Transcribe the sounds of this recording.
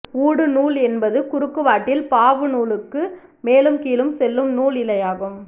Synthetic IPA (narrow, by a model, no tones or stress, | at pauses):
uːɽɯnuːlɛnbɐðɯkʊɾɯkːɯʋaːʈːɪlpaːʋɯnuːlɯkːɯmeːlɯmkiːlɯmsɛlːɯmnuːlɪlɐjaːɣɯm